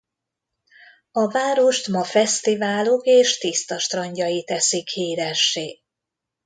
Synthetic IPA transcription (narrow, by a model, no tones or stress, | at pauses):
ɒvaːɾo̞ʃt̪mɒfɛst̪ivaːlokeːʃt̪ist̪ɒʃt̪rɒɲɟɒjit̪ɛsikhiːɾɛʃːeː